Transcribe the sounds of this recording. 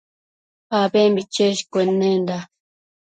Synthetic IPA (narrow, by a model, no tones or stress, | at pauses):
aːbeːmbit͡ʃeʃkwenːend̪a